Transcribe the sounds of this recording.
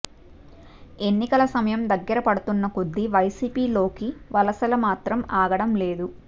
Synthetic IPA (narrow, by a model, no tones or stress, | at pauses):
e̞nːikɐlɐsɐmɐjɐmd̪ɐɡːɐɾɐpɐɽut̪unːɐkod̪ːiʋɐjsiːpiːlo̞ːkiʋɐlɐsɐlɐmaːt̪ɾɐmaːɡɐɽɐmle̞ːd̪u